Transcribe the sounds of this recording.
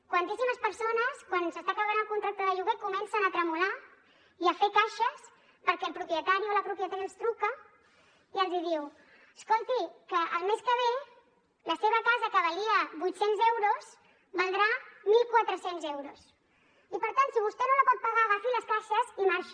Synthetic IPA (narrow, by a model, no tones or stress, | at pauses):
kwant̪isiməspəɾsonəskwansəst̪akaβanəlˠkunt̪ɾak̚t̪əðəʎuɣekumɛnsənət̪ɾəmula | iəfekaʃəs | pəɾkɛəlˠpɾupjət̪aɾioləpɾupjət̪aɾiəlˠst̪ɾukə | iəlˠzið̞iw | əskolˠt̪ikəʔəlˠmeskəβ̞e | ləseβəkazəkəβəliəbujt̪senzɛwɾoz | bənd̪ɾamilˠkwat̪ɾəsenzɛwɾos | ipəɾt̪ansiβust̪ɛnoləpɔt̪̚paɣ̞aɣafiləskaʃəzimaɾʃ